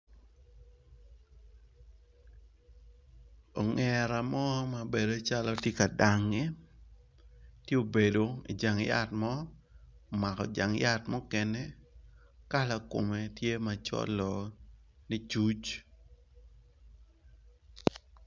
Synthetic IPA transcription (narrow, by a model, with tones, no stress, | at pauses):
ɔ˨ŋɛ˨ɾa˨mɔ˦ma˨be˨do˨t͡ʃa˦lɔ˦tje˦ka˨da˨ŋe˦ | tje˦o˨be˨do˨ḭ˨d͡ʒa˨ŋja̰˦tmɔ˦˨ | ma˨kɔ̰˨d͡ʒa˨ŋja˦tmɔ˦kɛ˨nɛ˦ | ka˦la˨ko̰˨mɛ˨tje˦ma˨t͡ʃɔ̰˦lɔ˨ni˦t͡ʃu˦t͡ʃ